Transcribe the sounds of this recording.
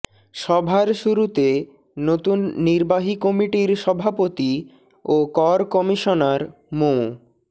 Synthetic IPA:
ʃɔbʱaɾʃuɾut̪e | not̪unːiɾbaɦikɔmiʈiɾʃɔbʱapot̪i | okɔɾkɔmiʃonaɾ | mo

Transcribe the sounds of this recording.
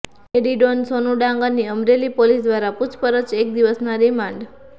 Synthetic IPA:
eɖiɖonsonuɖãŋɡaniəmɾelipolisd̪ʋaɾapʊt͡ʃʰpəɾət͡ʃek̚d̪iʋəsnaɾimãɳɖ

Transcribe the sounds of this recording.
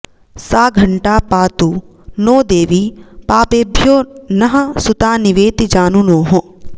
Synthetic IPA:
saːɡʱɐɳʈaːpaːt̪u | noːd̪eːʋipaːpeːbʱjoːnɐɦɐ̆sut̪aːniʋeːt̪id͡ʒaːnunoːɦo

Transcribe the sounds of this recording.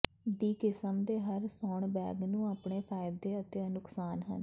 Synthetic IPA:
d̪iːkɪsəmd̪eːɦəɾsɔːɳbɛ̰ːɡnũːaːpɳeːpʰaːjd̪eːət̪eːənʊksaːnɦə̰n

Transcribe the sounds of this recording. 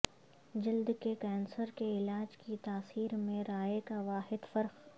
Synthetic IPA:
d͡ʒɪld̪kekɛːnsəɾkeɪlaːd͡ʒkit̪aːsiːɾmẽɾaːekaʋaːɦɪd̪fɐɾq

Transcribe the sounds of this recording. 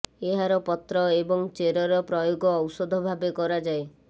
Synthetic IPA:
eɦaɾɔpɔt̪ɾɔebɔŋt͡ʃeɾɔɾɔpɾɔjoɡɔːwsɔd̪ʱɔbʱabekɔɾad͡ʒae

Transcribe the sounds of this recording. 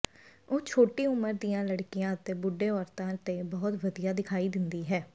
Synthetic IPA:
oːt͡ʃʰoːʈiːʊməɾd̪ijãːləɽkijãːət̪eːbʊɖːeːɔːɾt̪ãːt̪eːbɔːʊt̪ʋəd̪ijaːd̪ɪkʰaːiːd̪ɪnd̪iːɦɛː

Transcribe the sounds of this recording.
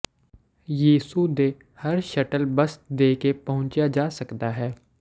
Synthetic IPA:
jiːsud̪eː | hɐɾʃɐʈəlbəsd̪eːkepɐɦʊ̃t͡ʃjad͡ʒaːsɐkt̪aɦɛː

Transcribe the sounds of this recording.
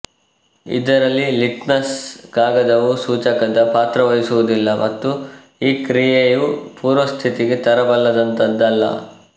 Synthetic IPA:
ḭd̪ɐɾɐlːiliʈnɐsɡaːɡɐd̪ɐʋusuːt͡ʃɐkɐd̪ɐpaːt̪ɾɐʋɐjisuʋud̪ilːɐmɐt̪ːu | iːkɾijejupuːɾɐst̪ʰit̪iɡet̪ɐɾɐbɐlːɐd̪ɐnt̪ɐd̪ːɐlːɐ̰

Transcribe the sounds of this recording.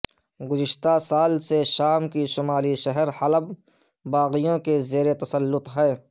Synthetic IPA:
ɡʊzɪʃt̪asaːlseʃaːmkiʃʊmaːliʃɛɦəɾhɐləb | baːɣijõkezeːɾet̪ɐsəlːʊt̪ɦɛː

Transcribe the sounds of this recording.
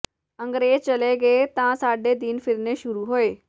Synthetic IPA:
ə̃ŋɡɾeːd͡ʑt͡ɕəleɡəet̪ãsaːɖed̪infɪɾneʃʊɾuɦoːe

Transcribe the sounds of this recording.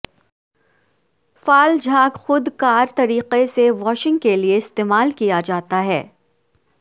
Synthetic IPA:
faːld͡ʒʱaːɡxʊd̪kaːɾt̪ɐɾiːqeseʋɔːʃɪ̃ŋɡkelieɪst̪eːmaːlkijad͡ʒaːt̪aɦɛː

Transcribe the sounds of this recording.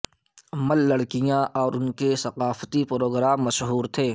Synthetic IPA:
ɐməlːɐɽkɪjãʔɔːɾʊnkesɐqaːft̪ipɾoːɡɾaːmːɐʃɦuːɾt̪ʰeː

